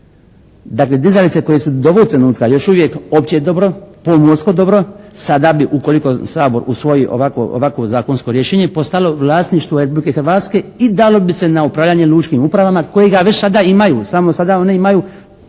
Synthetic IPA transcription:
d̪akle̞d̪izalit̪se̞ko̞je̞sud̪oʋoɡt̪ɾe̞nuːt̪kajo̞ʃuʋjeko̞pt͡ɕeed̪o̞bɾo̞pomoɾsko̞d̪o̞bɾo̞sad̪abiʔuko̞liko̞saːbo̞ɾʔusʋo̞jiʔo̰ʋakʋo̰ʔo̰ʋakʋo̞zaːkonsko̞ɾjeʃeːɲepo̞st̪alo̞ʋlˠaːsniʃt̪ʋoɾepublike̞xɾʋaːt̪ske̞id̪alo̞bise̞naupɾaʋʎaɲe̞lˠuːt͡ʃkimupɾaʋamako̞jeɡaʋet͡ɕsad̪aimajuːsamosad̪ao̞ne̞imajuː

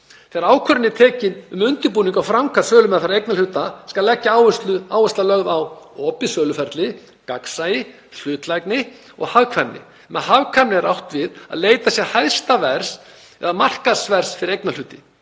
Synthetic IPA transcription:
θɛaɾaːwkʰœɾɪnːɪt̪ʰɛːcɪnʏmʏnt̪ɪpuːniŋkawfɾawŋkḁsœːlʏmɛðafaɾejknal̥ʏːt̪askalːɛcːaaːwʏst̪lʏaːwɛst̪lalœɣðawɔːpɪsœːlʏfɛɾt̪lɪ | kaksajɪ | l̥ʏːt̪lajknɪ | ɔ̰ɣhavkʰvanːɪ̰ | mɛðhavkʰanɪɛɾʔawht̪vɪða̰ðleːjt̪asjɛɾhajðst̪avɛɾ̥s | ɛ̰ðamar̥kasvɛɾ̥sfɪɾɪɾejknalʏːt̪ɪ

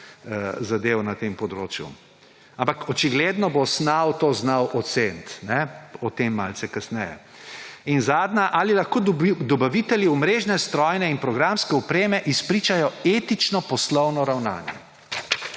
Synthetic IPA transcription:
zad̪ewnat̪empɔd̪ɾoːt͡ʃjṵ | ampakɔt͡ʃiɡled̪nɔbosnawt̪oznawʔɔt̪sent̪nɛɔt̪emːa̰lsɛkasnɛjɛ̰ | inzaːd̪naʔalilaxkoːd̪ɔbaʋiːt̪ɛljiumɾeːʒnɛst̪ɾɔjnɛinpɾɔɡɾamskɛɔpɾeːmɛʔispɾiːt͡ʃajɔet̪it͡ʃnɔpɔslɔwnɔɾawna̰ːnjɛ̰

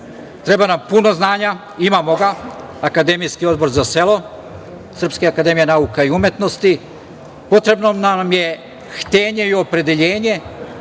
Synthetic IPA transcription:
t̪ɾe̞banampuno̞znaːɲa | imamo̞ɡa | akad̪e̞mijskio̞d̪bo̞ɾzase̞lˠo̞ | sr̩pskeakad̪e̞mijenaukaiumje̞t̪no̞st̪i | po̞t̪ɾe̞bno̞namje̞ | xt̪e̞ːɲe̞io̞pɾe̞d̪e̞ʎeːɲe̞

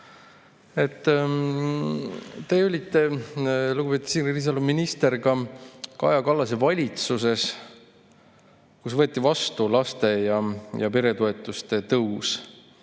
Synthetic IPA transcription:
e̞t̪ː | t̪e̞ːolʲit̪ːe̞luɡub̥e̞t̪u̥siniris̬ɑluminist̪erɡɑkɑ̰jɑkɑlːɑs̬e̞vɑlʲit̪suse̞s | kusvɤet̪ːˑivɑst̪ulɑst̪e̞jɑjɑpe̞ɾe̞t̪oe̞t̪ːˑust̪e̞t̪ɤws

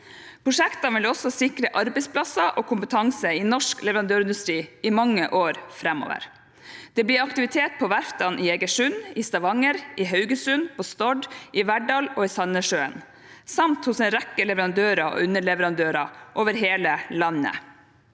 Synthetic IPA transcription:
pʰɾʊʂɛkt̪ɑʋɪlɔsɔsɪkɾəʔɑɾbɛɪspʰlɑsɑʔoːkʰʊmpət̪ʰɑŋsəɪnɔʂklɛʋəɾɑnd̪øːɾɪnd̪ʉst̪ɾiːɪmɑŋːə̰ʔoːɾfɾɛmo̰ːʋə̰ɾ | d̪̥ɛːblɪːɾɑkt̪ɪʋɪt̪ʰeːt̪̚pʰɔʋæɾft̪ɑnʔieːɡəʂʉnɪst̪ɑʋɑŋəɾɪɦœʉɡəsʉnpʰɔst̪ɔɖɪʋæɖɑloːɪsɑnəʂøːə̰n | sɑmt̪hʊsɛnɾɛkːəlɛʋəɾɑnd̪øːɾɑ̰ʉnəɭɛʋəɾɑnd̪øːɾɑʔoːʋəɾɦeːləlɑnːə̰

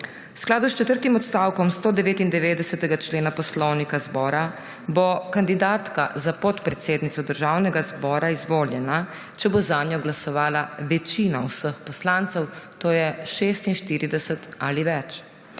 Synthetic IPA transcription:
wsklaːd̪ust͡ʃɛt̪əɾt̪imɔt̪st̪aːwkɔmst̪oːd̪ɛʋeːt̪ind̪ɛʋeːd̪ɛsɛt̪ɛɡat͡ʃleːnapɔslɔwnikazbɔːɾa | bokand̪id̪aːt̪ka̰zapɔt̪pɾɛt̪seːd̪nit̪sɔd̪əɾʒaːwnɛɡazbɔːɾaizʋoːljɛna | t͡ʃɛbozaːnjɔɡlasɔʋaːlaʋɛt͡ʃiːnawsəxpɔslant̪sɛwt̪oːjɛʃeːst̪inʃt̪iːɾid̪ɛsɛt̪aliʋɛt͡ʃ

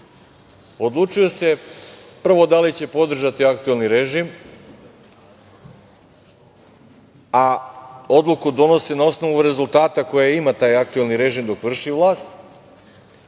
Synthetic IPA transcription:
o̞d̪lˠut͡ʃijo̞se̞prʋo̞d̪alit͡ɕe̞po̞d̪r̩ʒat̪iakt̪ue̞lniɾeʒim | ao̞d̪lˠukud̪o̞no̞senao̞sno̞ʋuɾe̞zult̪aːt̪ako̞jaimat̪aːjak̚t̪ue̞lˠniɾe̞ʒiːmd̪o̞kʋr̩ʃiʋlˠaːst̪

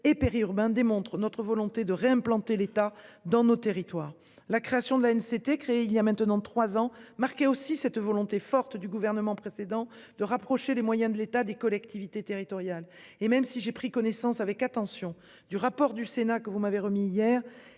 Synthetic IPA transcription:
epeʁiyʁbɛ̃d̪emɔ̃t̪χənɔt̪χəvɔlɔ̃t̪ed̪əʁeɛ̃plɑ̃t̪elet̪ad̪ɑ̃not̪eʁit̪waːʁ | lakχeasjɔ̃d̪əlaɛnset̪ekχeeiljamɛ̃t̪ənɑ̃t̪χwazɑ̃maʁkɛosisɛt̪vɔlɔ̃t̪efɔʁt̪d̪yɡuvɛʁnəmɑ̃pχesed̪ɑ̃ | d̪̥əʁapχɔʃelemwajɛ̃d̪əlet̪ad̪ekɔlɛkt̪ivit̪et̪eʁit̪ɔʁjal | emɛmsiʒepχikɔnesɑ̃savɛkat̪ɑ̃sjɔ̃ | d̪yʁapɔʁd̪ysenakəvumaveʁəmiːjɛːʁ

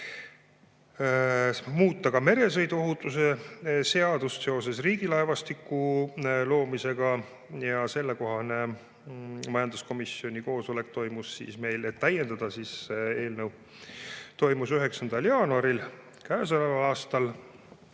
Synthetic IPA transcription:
muːt̪ːˑɑkɑme̞ɾe̞s̬ɤjd̪uo̞ɦut̪ːˑus̬e̞se̞ɑd̪̥ust̪se̞o̞se̞sriːɡilɑevɑst̪ikːˑulo̞ːmise̞ɡ̥ɑ | jɑse̞lːe̞ko̞ɦɑne̞ | mɑjɑnd̪̥usko̞misio̞nʲiko̞ːso̞le̞k̚t̪o̞jmusːḭːsme̞jle̞t̪ːæjːe̞nd̪ɑd̪̥ɑsiːse̞ːlnəw | t̪o̞jmusyɦe̞ksɑnd̪̥ɑljɑːnuɑɾil | kæes̬ɑlɑɑːst̪ɑl

